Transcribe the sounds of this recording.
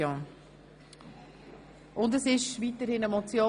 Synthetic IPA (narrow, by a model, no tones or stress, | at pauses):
o | ʔʊndəsɪʃvitəɾhɪnɛmɔt͡sjoː